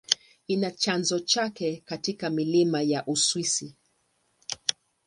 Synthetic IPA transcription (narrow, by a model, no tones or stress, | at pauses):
inat͡ʃanzɔt͡ʃakɛkatikamilimajaʔuswisi